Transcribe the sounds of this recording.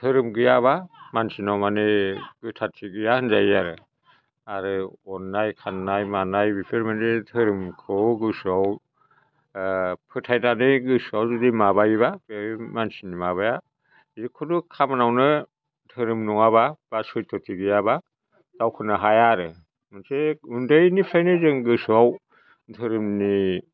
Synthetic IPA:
tʰɯɾɯmɡɯjaβamansinawmaneɡɯtʰatʰiɡɯjahɯnzajaɾɯ | aɾɯɔnːajkʰanːajmanajbipʰɯɾmanetʰɯɾɯmkʰɯwɡɯsɔw | pʰɯtʰajnanɯɡɯsawzudimaβajiβabmansinimaβaja | zɯkʰɔdukʰamanawnɯ | tʰɯɾɯmnuŋaβab̥asɔjtʰɔtʰiɡɯjaβa | d̥awkʰɯnaɦajaɾɯ | mɯnseundɯjnipʰajnɯzɯŋɡɯsaw | tʰɯɾɯmni

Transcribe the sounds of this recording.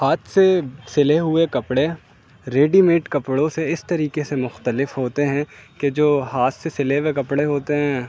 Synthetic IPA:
haːt̪ʰsesɪleɦʊekɐpɽe | ɾeːɖimeːʈkɐpɽõseɪst̪ɐɾiːkesemʊxt̪əlɪfɦoːt̪eɦɛ̃ked͡ʒoːɦaːt̪sesɪlewekɐpɽeɦoːt̪eɦɛ̃ː

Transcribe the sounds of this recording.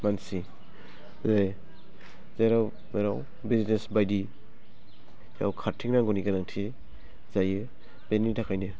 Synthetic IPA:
mansi | lej | zeɾaw | meɾaw | biznesbajdi | ja̰wkʰaɾtʰiŋnaŋɡɔniɡanaŋtʰi | z̥ajɯ | benitʰakʰajnɯ

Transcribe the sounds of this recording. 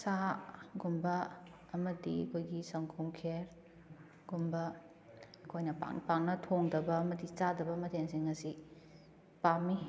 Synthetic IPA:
saɡumbɐ | ɐmɐdiɐ̰kʰojɡisɐŋkʰumkʰeɾ | ɡ̥umbɐː | kʰojnɐpa̰ŋpaŋnɐtʰoŋdɐbɐːmɐdit͡ʃadɐbɐmɐtʰeŋsiŋɐsi | pami

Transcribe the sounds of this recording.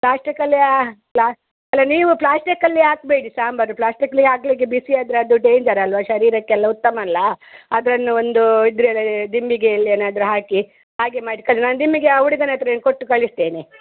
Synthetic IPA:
plaːsʈikɐlːiaplaː | ɐlːɐniːʋuplaːsʈikɐlːiaːk̚beːɽisaːmbɐnuplaːsʈikɐlːiɡaːkliɡebisiad̪ɾeɐd̪uʈeːɲd͡ʒɐɾɐlʋɐʃɐɾiːɾɐkːɛlːɐut̪ːɐmɐlːɐɐd̪ɾɐnːuond̪uid̪ɾuɛlːɐd̪imbiɡeɐlːieːnaːd̪ɐɾuɦaːki | ɦaːɡemaːʈikɐlnaːnd̪imbiɡeɐʋuɽiɡɐnɐt̪ɾɐeːnkoʈːukɐɭist̪eːni

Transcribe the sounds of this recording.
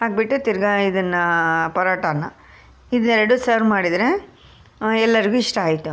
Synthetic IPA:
ɦaːɡ̚biʈːut̪iɾɡɐid̪ɐnːɐpɐɾaːʈɐnːɐ | id̪ɛɾɐɽusɐɾmaːɽid̪ɾe̞ | ɛlːɐɾiɡuiʂʈɐaːjit̪ːu

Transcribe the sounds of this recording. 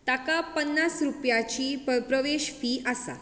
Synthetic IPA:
t̪akapənːasɾupjat͡ɕiːpəpɾəʋeɕfiːʔasa̰

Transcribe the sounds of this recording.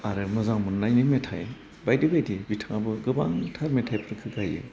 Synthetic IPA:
aɾɯmɯzaŋmɯnnajnimetʰa̰j | bajdibajdibitʰaŋabɯɡɯba̰ŋtʰaɾmetʰajpʰɯɾkʰɯɡajɯ̰

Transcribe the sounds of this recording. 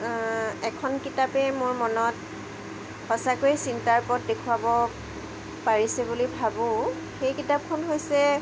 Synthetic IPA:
ɛkʰɔnkitapɛmʊɹmɔnɔt | hɔsakojsintaɹpɔt̚dekʰuabɔ | paɹisɛbulibʱabʊ̃ | xejkitap̚kʰɔnɦojsɛ

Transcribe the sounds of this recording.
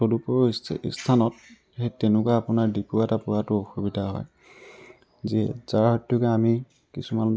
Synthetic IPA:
todupɔḭstʰanɔt̚ | hejtɛnʊkuaapʊnaɹdipʊatapʊɹatʊoxubidʱaɦɔ̰j | zɛ̰zaɹhɔjtʰːʊkɛami | kisuman

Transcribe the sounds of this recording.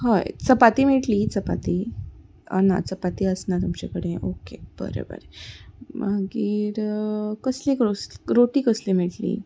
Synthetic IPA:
ɦəjt͡səpat̪iːmeʈlit͡səpat̪i | ə̰na̰t͡səpat̪iːəsnat̪umt͡ɕekəɽeʔokeb̥ə̰ɾḛbə̰ɾemaɡiːɾkəslikɾosɾoʈiːkəslim̤eʈlḭ

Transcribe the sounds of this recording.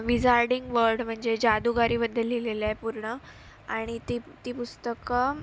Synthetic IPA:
ʋid͡zaɾɖiŋɡʋəɾɖm̤əɳd͡zed͡ʑad̪uɡaɾiːbəd̪ʱːəlːilelajpuɾɳə | aɽ̃it̪it̪iːpust̪əkə

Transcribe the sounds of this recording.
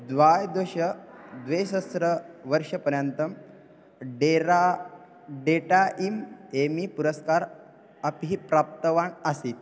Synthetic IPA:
d̪ʋajd̪oɕəd̪ʋesəsɾəʋəɾʂəpəɾjənt̪əm | ɖeɾa | ɖeʈaʔimemipuɾəskaɾ | əpiɦipɾap̚t̪əʋaɳəsiːt̪̚

